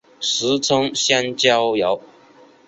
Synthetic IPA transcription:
ʂɻ̩˧˥t͡sʰʊ˥ŋɕja˥nt͡ɕjɑ˥ʊjɑ˨˧˥ʊ

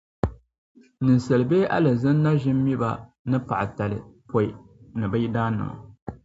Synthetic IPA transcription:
nɨ˨n˨sɛ˨lɨ˨beː˦ʔa̰˦lɨ˨zɨ˦nː˦a˦ʒɪ˦mː˦i˦ba˨ | nɨ˦pa˨ʔta˨lɨ̰˨pʰo˨i˨nɨ˨ba˦ji˦daː˦nɨ̰˨ma̰˨

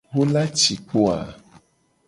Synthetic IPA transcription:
wo˦la˦t͡ʃi˨k͡po˦a̰˨

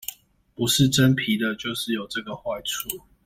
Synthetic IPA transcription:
pu˨˦ʂɻ̩˥˨ʈ͡ʂə˦npʰi˨˦d̪ə˨t͡ɕjo˥˧ʊʂɻ̩˥˩˨jo˨˩ʊʈ͡ʂə˥˩ɡə˨xwa˥˩ɪt͡sʰu˨˥˦

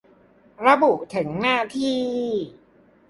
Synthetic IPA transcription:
ɾa˧bu˨˩ʔt̪ʰɯ˩˦ŋnaː˥˩t̪ʰiː˥˩

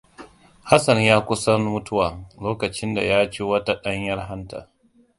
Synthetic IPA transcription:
ha˦sɐ˨ɲjaː˦kʷʊ˦sɐ˦nmʊ˦tʊ˦waː˨loː˦kɐ˨t͡ʃɪ˦nda̰˨jaː˦t͡ʃeː˦wɐ˦ta˦ɗɐ˦ɲjɐ˦rɦa˦nta̰˨

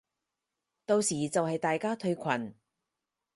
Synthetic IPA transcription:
t̪o˧wsiː˨˩t͡sɐ˨whɐ˨jt̪aː˨jkaː˥t̪ʰɵ˧ɥkʷʰɐ˨˩n

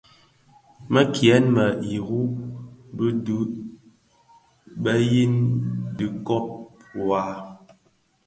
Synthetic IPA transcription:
mə˦kʰjɛ˨˦nmə˨i˨ɣu˦bə˦du˦ | ɓə˦ji˦ndɨ˨kɔ˦ʔ̚wa˨˦

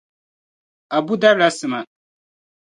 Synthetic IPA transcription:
a˨bu˦da˦bla˦sɨ˨ma˨

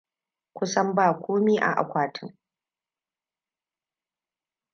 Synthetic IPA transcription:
kʷʊ˦sɐ˦mbaː˦˨kʷoː˦miː˦ʔa̰˨ʔa̰˨kʷaː˨tʰɪ˦ŋ

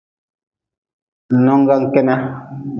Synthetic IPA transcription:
nɔ˦ŋ˦ɡa˦ŋ̩˨kɛ˦na˦

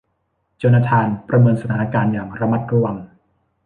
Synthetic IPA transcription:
t͡ɕoː˧naː˧t̪ʰaː˧npɾa˧mɤː˧nsa˧aː˩˦na˧kaː˧njaː˨˩ŋɾa˧ma˦˥t̪̚ɾu˧a˧ŋ

